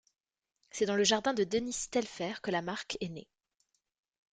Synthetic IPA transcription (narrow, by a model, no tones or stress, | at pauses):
sɛd̪ɑ̃ləʒaʁd̪ɛ̃d̪əd̪ənist̪ɛlfɛʁkəlamaʁkʰɛnḛ